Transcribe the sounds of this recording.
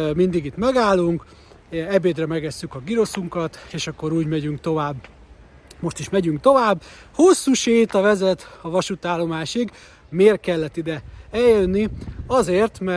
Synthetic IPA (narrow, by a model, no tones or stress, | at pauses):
mind̪iɡit̪mɛɡaːlːuŋk | ɛbeːd̪rɛmɛɡɛsːykɒɡiɾo̞suŋkɒt̪eːʃɒkːo̞ɾuːɟmɛɟyŋkt̪o̞vaːbː | mo̞ʃt̪iʃmɛɟyŋk̚t̪o̞vaːbː | ho̞sːuːʃeːt̪ɒvɛzɛt̪ɒvɒʃut̪aːlːo̞maːʃiɡ | meːrkɛlːɛt̪ːid̪ɛɛljønːiɒzeːrt̪mɛ